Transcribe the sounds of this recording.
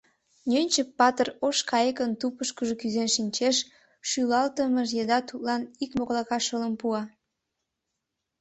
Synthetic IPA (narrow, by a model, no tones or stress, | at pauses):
nʲønʲt͡ɕəpːɑt̪əroʃkɑjekənt̪upəʃkəʒokyzenʃinʲt͡ɕeʃ | ʃylɑlt̪əməʒjed̪ɑt̪ut̪lɑnikmoɣlɑkɑʃələmpuɑ